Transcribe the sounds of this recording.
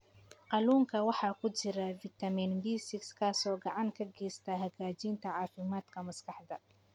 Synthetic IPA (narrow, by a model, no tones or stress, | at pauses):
qɑluːŋkʰɐwɑħɑːkʰʊt͡ʃɪɾɐvɪt̪ʰɐminbiːsɪkskʰaːsɔːɡɑʕɑŋkʰɐɡɛːst̪ʰɐɦɐɣaːt͡ʃiːnt̪ʰɐʕɑːfɪmaːd̪kʰɐmɐskʰɑħd̪ɐ